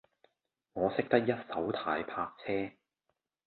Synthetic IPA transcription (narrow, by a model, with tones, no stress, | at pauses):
ŋɔː˨˧sɪ˥k̚t̪ɐ˥k̚jɐ˥t̚sɐ˨˥wt̪ʰaː˧jpʰaː˧k̚t͡sʰɛː˥